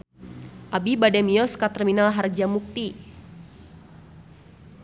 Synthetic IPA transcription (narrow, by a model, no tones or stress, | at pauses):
ʔabibadɛmiɔskat̪ərminalɦard͡ʒamuk̚t̪i